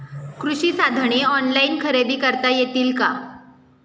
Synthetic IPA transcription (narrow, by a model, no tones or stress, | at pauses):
kɾuɕiːsad̪ʱɳ̃eɔnlainkʰəɾebʱiːkəɾt̪ajet̪iːlka